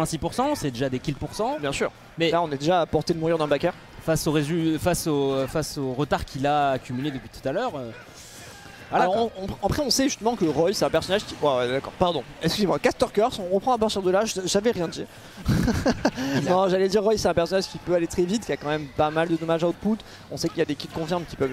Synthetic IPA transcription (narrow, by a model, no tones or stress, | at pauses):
ɛ̃sipuʁsɑ̃sɛd̪eʒad̪ekʲilpuʁsɑ̃bjɛ̃sy̰ːʁ | mɛlaɔ̃nɛd̪eʒaːpɔʁt̪ed̪əmuʁiʁd̪ɛ̃bakʲœʁ | fasoʁezyfasofasoʁət̪aʁkʲilaːkʲymyled̪əpɥit̪u̥t̪alœʁø | alaɔʁɔ̃pɑ̃pχɛɔ̃sɛʒyst̪əmɑ̃kəʁɔjsɛt̪ɛ̃pɛʁsɔnaʒkʲiwɛwɛd̪akɔ̰ːʁpaʁd̪ɔ̃ɛkskyzemɑ̃kast̪œʁkɔʁsɔ̃ʁəpχɑ̃apaʁt̪iʁd̪əlaʒʒavɛʁjɛ̃d̪iʁ | nɔ̃ʒalɛd̪iʁːɔjsɛt̪ɛ̃pɛʁsɔnaʒkʲipøalet̪χɛvit̪̚kʲiakɑ̃mɛmpamald̪əd̪ɔmaʒaot̪̚put̪ | ɔ̃sɛkiljad̪ekʲit̪̚kɔ̃fiʁmkʲi̥pœv